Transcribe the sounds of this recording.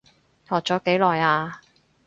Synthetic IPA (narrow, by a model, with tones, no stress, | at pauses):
t̪ʰɔː˨k̚t͡sɔː˨˥ke˨˥jlɔː˨jaː˧